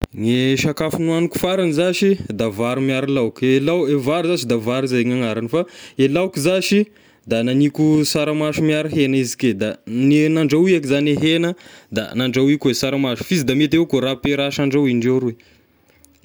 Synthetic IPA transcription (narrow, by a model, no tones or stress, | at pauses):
ŋeʃakafunuanuku̥faɾanizaʃid̪avaɾumiaɾilawkʲelawevaɾzaʃid̪avaɾizaŋaŋaɾanifaelawkuzaʃi | d̪ananikusaɾamaʃumiaɾiɦenizi̥ked̪anenaɳɖ͡ʐaiakizaneɦenəd̪a̰naɳɖ͡ʐawikuesaɾamaʃu̥fizid̪amet̪eukoɾapeɾaʃaɳɖ͡ʐawiɳɖ͡ʐeɾue